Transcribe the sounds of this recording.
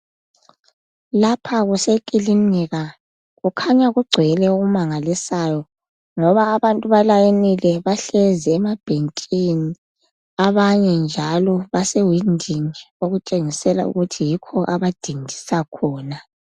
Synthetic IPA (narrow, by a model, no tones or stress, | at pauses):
lapʰaɣusekʼilimiɣa | ɣukʰaɲaɣuɡ͡ǀʱɛlɛoɣumaŋalisaːjɔ | ŋɔβaːβantʼuβalajenilɛβaɬɛzɛːmab̥ʱentʼini | aβaɲɛnd͡ʒʱalɔβasewindʱin | oɣut͡ʃʼeŋisɛla̰ṵɣutʰijikʰɔʔaβad̥ʱindʱi̥sakʰɔːna